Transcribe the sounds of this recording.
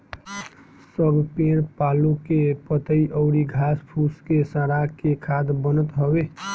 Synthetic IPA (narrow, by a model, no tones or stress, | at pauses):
səbʱpeɽpalũkepət̪əiʔəʊɾiɡʱaspʰuskesə̃ɾakekʰad̪bənət̪ɦəbe